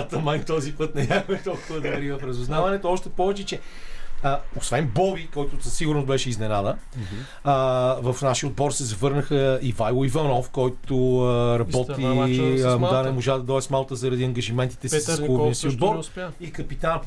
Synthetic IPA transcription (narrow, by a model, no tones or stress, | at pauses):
t̪ɐmajt̪ɔzipɤt̪nɛɲʲaxoɛt̪ɔlˠkʊvəd̪ɐɾivɐpɾɛzʊznavɐnɛt̪oɔʃt̪ɛpɔvɛt͡ʃɛt͡ʃɛəosvɛnbɔbikɔjt̪ʊsɐsiɣuʊɾnosbɛʃɛiznɛnad̪ə | vɐfnaʃiəod̪̚bɔɾsɛzɐvɤɾnəxəivajlˠoivɐnɔfkɔjt̪oəɾɐbɔt̪i | d̪anɛmoʒad̪ɐd̪ɔɛsmalˠt̪əzɐɾɐd̪iɐŋɡɐʒimɛnt̪i̥t̪ɛsisskoniəsiʊd̪bɔɾikɐpit̪an